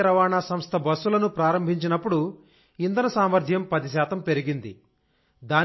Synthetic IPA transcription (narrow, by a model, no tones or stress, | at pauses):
ɾɐʋaːɳaːsɐmst̪ʰɐbɐsːulɐnupɾaːɾɐmbʱiɲt͡ʃinɐpːuɽu | ind̪ɐnɐsaːmʋɐɾd̪ʱjɐmpɐd̪is̬aːt̪ɐmpe̞ɾiɡind̪i | d̪aː